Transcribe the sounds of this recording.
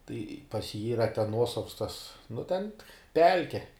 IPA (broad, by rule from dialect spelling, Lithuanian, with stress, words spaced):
tɐɪ pɐs jiː ˈiːrɐ tʲɛn ˈnuɔsɐws tɐs nʊ tʲɛn ˈpʲɛlʲkʲɛ